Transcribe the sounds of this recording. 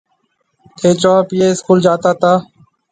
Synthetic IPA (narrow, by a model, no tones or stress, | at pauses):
t̪ʰeːt͡ʃoːpɪjeːɪskuːld͡ʒaːt̪aːt̪aː